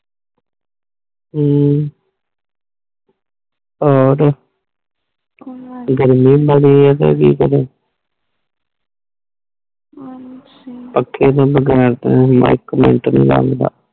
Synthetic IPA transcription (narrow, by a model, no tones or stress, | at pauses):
ɔːɾ | ɡəɾmiːbəɽiat̪ḛːkḭːkəɾe | pəkʰːeːd̪aːbəɡɛːɾt̪ema̰ɪkːmḛɳʈnḭ̃ːla̰ːɡd̪a̰ː